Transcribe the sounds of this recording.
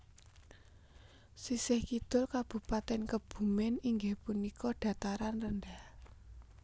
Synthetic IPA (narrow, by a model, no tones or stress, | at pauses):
sisɪhkid̪̥ʊrkab̥ṳpat̪ɛnkəb̥ṳmɪniŋɡehpunikɔɖ̥ä̤t̪aɾanrənɖ̪ah